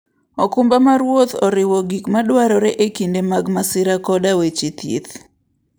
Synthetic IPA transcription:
ɔkumbamaɾwot̪ɔ̰ɾɪwɔɡikmadwaɾɔɾeʔekindemaɡmasɪɾakɔdawet͡ʃit̪jḭt̪

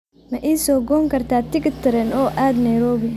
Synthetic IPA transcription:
mɐʔiːsɔːɡɔːŋkʰɐrt̪ʰaːt̪ɪkɪt̪ʰɪɾɛnɔːʔaːd̪nɐjɾɔːβɪ

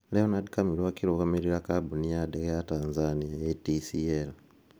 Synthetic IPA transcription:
lehonadikamilwakiɾokameɾiɾakabunijadekejataːnzanijajetisiel

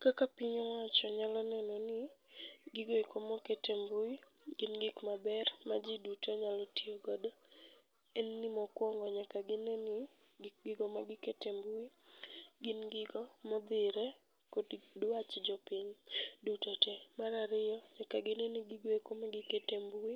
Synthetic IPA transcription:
kakapiɲɔwat͡ʃɔɲalɔnɛnɔnɪɡɪɡoekomɔketembui | ɡɪnɡɪkmabɛrmad͡ʒidutoɲalɔtioɡɔda | ɛnːɪmɔkwɔŋɡɔɲakaɡɪnenɪ | ɡɪɡɔmaɡɪketembui | ɡɪnɡɪɡɔmɔd̪ɪɾɛ | koddwat͡ʃd͡ʒɔpiɲdutɔtɛmaɾaɾɪjɔɲakaɡɪnenɪɡiɡoikomaɡɪketembui

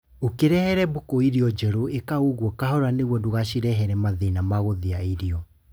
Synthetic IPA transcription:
okeɾɛhɛɾɛbokoiɾiɔd͡ʒɛɾoekaoɣwɔkaɦhɔɾaneɣwɔdoɣaɕiɾɛɦɛɾɛmaðenamaɣoðeaiɾiɔ

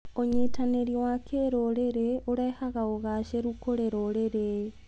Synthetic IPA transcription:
oɲetaneɾiwakʰeɾoɾeɾeoɾɛhaɣaoɣaʃeɾukoɾeɾoɾeɾe

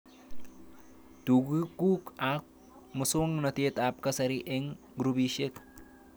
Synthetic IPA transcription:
tuɡukukak̚ | musoŋnɐt̪et̪ap̚kɐsɐɾiʔeŋ | ɡɾubiʃek

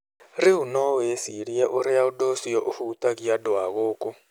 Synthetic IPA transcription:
riɦunɔjesiɺiɛʔuɾɛjaudosijɔʔuhuːt̪ʼakijadwaɣɔːkʼɔ

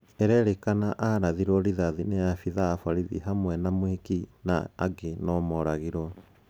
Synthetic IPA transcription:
ɛɾɛɾekanaʔaɾaðiɾwɔɾiðaðinejafiðaːfaɾiðḭɦamwɛnamwekina̰ːɡenɔmɔɾaɣeɾwɔ

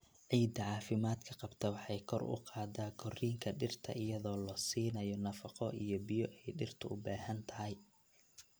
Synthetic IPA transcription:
ʕiːd̪ɐʕɑːfɪmaːd̪kʰɐqɑbt̪ʰɐwɑħɑjkʰɔrʊ̰qʰɑːd̪aːkʰɔriːŋkʰɐɖɪrt̪ʰɐ̰ʔɪjɐðɔːlɔsiːnɐjɔnɐfɑqɔʔijɔbɪjɔʔɛjɖɪrt̪ʰɐʊbaːɦɐnt̪ʰɐɦɪj

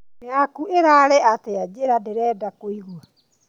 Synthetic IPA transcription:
neakueɾaɾeʔatead͡ʑeɾadeɾɛːdakoiɣua

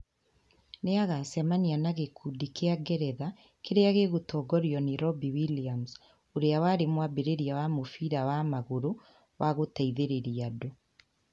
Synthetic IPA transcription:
neaɣasɛmanianaɣekʰudikeaɡɛɾɛða | keɾeaɣeɣotɔːɡɔɾiɔniɾɔbiwiliams | oɾeawaːɾemwabeɾeɾiawamofiɾawamaɣoɾo | wʔaɣotaiðeɾeɾiado

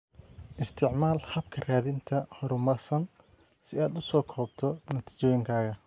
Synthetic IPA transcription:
ʔɪst̪ʰɪʕmaːlhɐbkʰɐraːðɪnt̪ʰɐhɔɾʊmɐrsɐn | sɪaːd̪ʊsɔːkʰɔːbt̪ʰɔnɐt̪ʰi̥ːt͡ʃɔːjɪŋkʰaːɣɐ

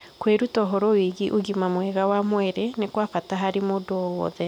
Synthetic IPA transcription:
kweɾutɔɦoɾowiɣiʔoɣimamwɛɣawamwɛɾenekwafataɦaɾemodoɔwɔ̰ðɛ

